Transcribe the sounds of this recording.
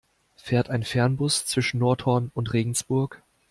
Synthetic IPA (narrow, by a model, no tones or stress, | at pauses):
feːɐtaɪnfɛɐnbʊst͡sv̥ɪʃn̩ːɔɐthɔɐnʊntʁeːɡŋ̩sb̥ʊɐk